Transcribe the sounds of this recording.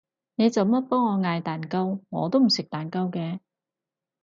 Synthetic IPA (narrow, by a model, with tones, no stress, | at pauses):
ne˨˧jt͡sɐ˨wmɐ˥t̚pɔː˥ŋɔː˨˧ŋaː˧jt̪aː˨˩nkɐ˥wŋɔ̰ː˨˧t̪o˥wm̩˨˩sɪ˨k̚t̪aː˨˩nkɐ˥wkɛː˧